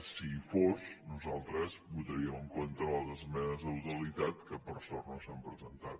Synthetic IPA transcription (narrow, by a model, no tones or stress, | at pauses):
sifoznuzalˠt̪ɾəzβut̪əɾiəməŋkont̪əβalˠɣəzmɛnəzəwt̪əlit̪at̪kəpərsɔrnosampɾəzənt̪at̪